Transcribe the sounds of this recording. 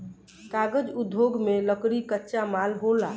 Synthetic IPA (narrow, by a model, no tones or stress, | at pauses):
kaɡəd͡ʒud̪ʱoɡmeləkɽikətːʃamalɦola